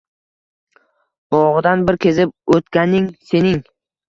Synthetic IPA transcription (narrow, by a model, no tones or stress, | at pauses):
b̥ɒʁɨd̪anbɪɾkʲʰe̞zɪp̚ot̪kʲanɪŋse̞nɪŋ